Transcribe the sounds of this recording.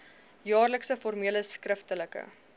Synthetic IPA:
jɑːrləksəformiələskrəftələkə̰

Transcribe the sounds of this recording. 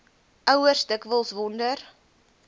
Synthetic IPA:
ʔœwərstəkvəlˠsvɔndər

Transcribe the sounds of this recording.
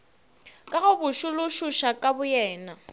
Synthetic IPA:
kʼaɣʊbʊʃʊlʊʃuʃakʼabʊjɛːna

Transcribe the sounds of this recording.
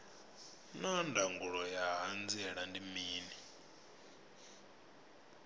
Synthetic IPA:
nandʱaŋɡuɺɔjaɦand͡zɛɺandimiːni

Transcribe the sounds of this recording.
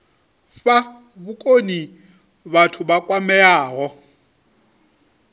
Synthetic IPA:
fa | βukʼoni | βatʰubakʼwamɛaːɦɔ

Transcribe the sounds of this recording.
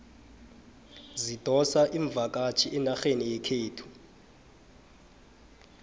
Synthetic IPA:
zid̥ʱɔsaʔiɱb̪vʱak̬ʼat͡ʃʰiʔɛnaxenijɛkʰeːtʰu̥

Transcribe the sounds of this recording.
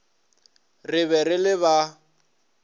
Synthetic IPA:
rɪβɛrɪlɪβa

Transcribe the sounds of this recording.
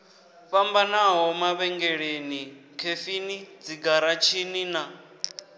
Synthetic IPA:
ɸambanaɦɔmaβɛŋɡɛɺenikʰefinid͡ziɡaɾat͡ʃʰinina

